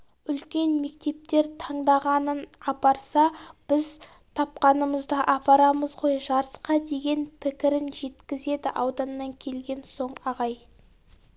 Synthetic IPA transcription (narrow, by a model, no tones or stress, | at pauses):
ʏlkʲe̞nme̞k̚t̪e̞p̚t̪e̞ɾt̪ʰɑɴd̪ɑʁɑnənɑpɑɾsɑb̥ɪz | t̪ʰɑp̚qɑnəməzd̪əʔɑpɑɾɑməzʁo̞jʒɑɾəsqɑd̪e̞ɡʲe̞npʰɪkʲɪɾɪnʒe̞t̪kʲɪze̞d̪ɪʔɑwd̪ɑnːɑŋkʲʰe̞lɡʲe̞nso̞ɴɑʁɑj